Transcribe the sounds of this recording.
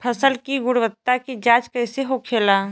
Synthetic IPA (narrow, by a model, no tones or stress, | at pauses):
pʰəsəlkiɡʊɽʋət̪ːakid͡ʒaːt͡ʃkɐɪseɦokʰeːlaː